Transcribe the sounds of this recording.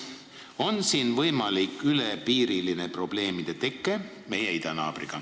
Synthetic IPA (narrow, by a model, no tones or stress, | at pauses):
o̞nsiːnvɤjmɑlikːˑylepiːɾilinepro̞b̥le̞ːmid̪̥e̞t̪e̞kːˑe | me̞jeid̪̥ɑnɑ̰ːb̥riɡ̥ɑ